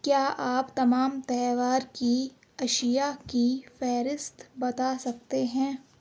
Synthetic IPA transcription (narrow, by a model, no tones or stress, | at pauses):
kjaːʔaːpt̪ɐmaːmt̪ɛːʋaːɾki | ɐʃijakifɛːɾɪst̪bɐt̪asɐk̚t̪eɦɛ̃ː